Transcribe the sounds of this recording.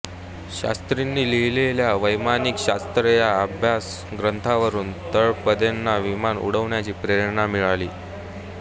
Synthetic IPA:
ɕa̰st̪ɾinːiːlileljaʋəjmaniːkɕast̪ɾəjaəbʱjas | ɡɾənt̪ʰaʋəɾuːnt̪əɭpəd̪anːaʋimanṵɽ̤əʋɳjat͡ɕiːpɾeɾənamiɭaliː

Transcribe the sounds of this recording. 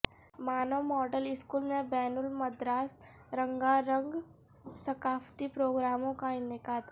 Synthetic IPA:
maːnəwmɔːɖəlɪskuːlmẽbɛːnʊlmɐd̪ɾaːs | ɾə̃ŋɡaɾə̃ŋɡ | sɐkaːft̪ipɾoːɡɾaːmõkaɪnɪkaːd̪

